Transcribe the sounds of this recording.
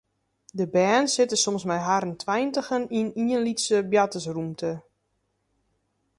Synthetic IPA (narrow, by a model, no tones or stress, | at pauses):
dəbɛːnsɪtəsomsmɛjɦaɾəntʰʋɛjntəxəniniənlitsəbjatəsrumtʰə